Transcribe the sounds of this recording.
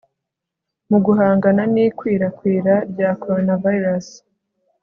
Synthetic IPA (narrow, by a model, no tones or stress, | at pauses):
muɡuɦaːŋɡananiːkwiːɾakwiːɾaɾjakoɾonavaiɾas